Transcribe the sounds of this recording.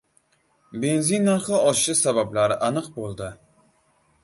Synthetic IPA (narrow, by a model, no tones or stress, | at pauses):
be̞nzinːaɾχɨɒʃʃɪsabablaɾɪʔanɨqbolˠd̪ɪ